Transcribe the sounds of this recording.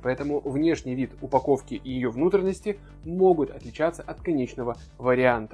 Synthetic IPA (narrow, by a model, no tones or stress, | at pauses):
pɐɛt̪əmʊvnʲe̞ʂnʲɪjvʲit̪ʊpɐko̞fkʲɪʔjɪjo̞vnut̪ɾʲɪnːəsʲtʲɪ | mo̞ɡʊt̪ɐt̪lʲɪt͡ɕat̪sːəʔɐt̪kɐnʲet͡ɕnəvə | vəɾʲɪant̪ə̥